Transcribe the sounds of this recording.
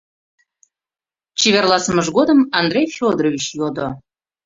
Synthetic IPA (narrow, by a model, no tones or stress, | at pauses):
t͡ɕeβʲerlˠɑsəməʒɡod̪əmɑnd̪rʲejfʲod̪rovʲit͡ɕjod̪o